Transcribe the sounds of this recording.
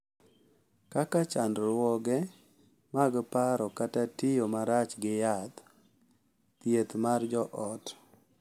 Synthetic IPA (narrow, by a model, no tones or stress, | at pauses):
kakat͡ʃandɾwɔɡɛ | maɡpaɾɔkatatɪjomaɾat͡ʃɡɪjat̪ | t̪jet̪mard͡ʒɔʔɔt